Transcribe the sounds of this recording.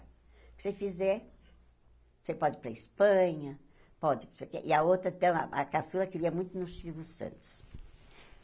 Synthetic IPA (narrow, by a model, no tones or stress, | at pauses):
kɪ̥sefizɛɾ | sepɔd͡ʒɪpɾɐispɐ̃ɲɐ | pɔd͡ʒɪsekḛʔɪɐot̪ɾɐ̃t̪ɐ̃w̃ɐ̰ɐ̰kasuɾɐkɪɾiɐmũj̃t̪ʊnʊsʃivʊsɐ̰̃nt̪ʊ̥s